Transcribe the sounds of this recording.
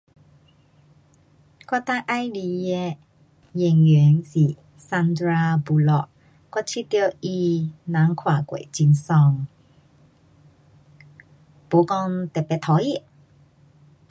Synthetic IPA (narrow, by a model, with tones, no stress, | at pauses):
kɔ˧t̪a˧˥ʔa˧jli˧˨jɛ˧ | jɛ˨˩ŋɛ˨˦ŋsi˨˩ | sa˧nd̪ɾaː˧bu˨˧lɔ˧ʔ | ka˧˥t͡ɕʰi˧˥t̪ji˧wʔi˧nã˨˦ŋkʰwaː˨˩kwḛ˨t͡ɕi˧nsɔ˧ŋ | po˨˦kɔ˧ŋt̪ɛ˨˩pɛ˧˨t̪ʰɔ˨˦ji˧˨